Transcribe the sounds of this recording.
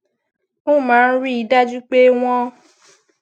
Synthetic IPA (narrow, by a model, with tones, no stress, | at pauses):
o˦˨mãː˨˦n̩˦ɾi˦i˨˦da˦d͡ʒu˦k͡pe˦w̃ɔ̃˦